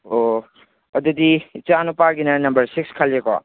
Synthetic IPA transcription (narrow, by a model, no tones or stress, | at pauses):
o | ɐdudit͡ʃanupaɡinɐnɐmbɐɾsik̚skʰalekɔ̰